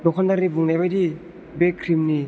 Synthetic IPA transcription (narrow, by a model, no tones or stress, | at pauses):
dokʰɔndaɾibuŋnabadi | bekʰɾimni